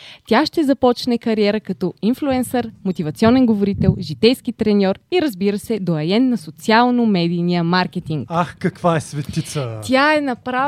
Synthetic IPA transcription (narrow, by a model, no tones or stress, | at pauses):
t̪ʲaʃt̪ɛzɐpɔt͡ʃnɛkɐɾiɛɾəkɐt̪ɔinflʲˠuɛnsəɾmot̪ivɐt̪siɔnɛnɡovoɾit̪ɛlˠʒit̪ɛjskit̪ɾɛnʲɔɾiɾɐzbiɾəsɛd̪oɐɛnːɐsot̪sialˠnomɛd̪ijnijəmaɾk̟ɛt̪iŋkaxkɐkvaɛsvɛt̪it̪sət̪ʲaɛnɐpɾa